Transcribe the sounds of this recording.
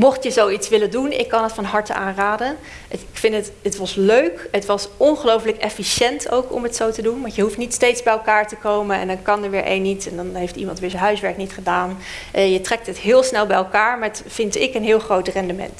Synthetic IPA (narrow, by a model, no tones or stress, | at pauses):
mɔχtjəzowitsʋɪləndunɪ̰kːɑnɦətfɑnɦɑɹtəa̰ːnraːdən | kfɪnət | ətʋɑsløɥkɦətʋɑsɔnχəlowfləkɛfiʃɛnto̰wkɔ̰mɦətsowtədunmɑjəɦuftnitstejtzbɛjɛlˠkaːɹtəkowmənɛ̰ndɑnkɑnəɹʋɪːɹʔḛjnːitɛndɑnɦejftḭmɑntʋɪːɹzənɦœɥsʋɛɹknitχədaːnʔjətrɛk̚tɦətɦɪːlˠsnɛlˠbɛjɛlˠkaːɹmɛtfɪntɪkənɦɪːlˠχrowtrɛndəmɛ̰nt